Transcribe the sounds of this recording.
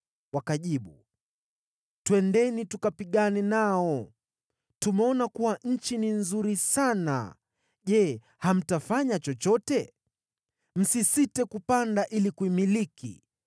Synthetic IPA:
wakaʄiɓu | twɛndɛnitukapiɠanɛnaɔ | tumɛɔnakuwaɲ̩t͡ʃininzuɾisana̰ | ʄɛ | ham̩tafaɲat͡ʃɔt͡ʃɔtɛ | m̩sisitɛkupandaʔilikuimilikḭ

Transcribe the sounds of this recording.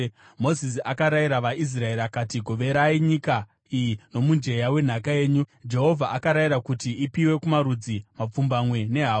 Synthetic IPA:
mo̞zis̬iakaɾaiɾaʋais̬rae̞ɾakatiɡʱo̞ʋe̞ɾaiɲika | ijino̞mund͡ʒe̞jawe̞n̤akae̞ːɲud͡ʒe̞ɦo̞vʱaʔakaɾaiɾakutiipiwe̞kumaɾud͡zimap͡fumbamwe̞ne̞ɦa

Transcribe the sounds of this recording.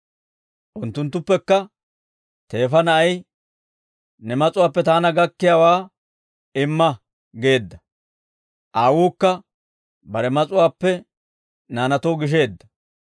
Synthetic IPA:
ʔʊnt̪ːʊnt̪ːʊpːɛkːɐ | t̪e̞ːfɐnɐʔɐj | nɛmɐt͡sʼʊwaːpːɛt̪aːnɐɡɐkːɪjaːwaː | ɪmːɐ | ɡe̞ːd̪ːɐ | ʔaːwuːkːɐ | bɐɾɛmɐt͡sʼʊwaːpːɛ | naːnɐt̪oːɡɪʃ̬e̞ːd̪ːɐ

